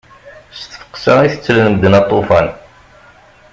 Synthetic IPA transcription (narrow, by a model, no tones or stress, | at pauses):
st̪fə̥qsəiθət͡sːələnəməd̪ənɑt̪ˤːofæn